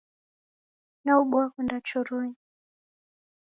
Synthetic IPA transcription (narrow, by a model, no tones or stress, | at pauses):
nauɓuakwɛndat͡ʃɔɾɔi